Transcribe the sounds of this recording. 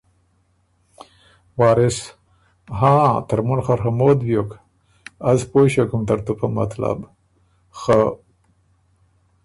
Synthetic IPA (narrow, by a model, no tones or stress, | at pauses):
wɑːɾɪs | ɦãt̪aɾmunxaɾxamoːd̪bjok | azpoɕakumt̪aɾt̪upama̰t̪la̰b | xa